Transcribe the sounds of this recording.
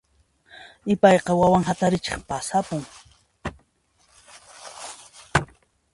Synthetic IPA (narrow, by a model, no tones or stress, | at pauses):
ɪpɑjqɑwawaŋɦat̪aɾɪt͡ʃɪ̰χpasapʊŋ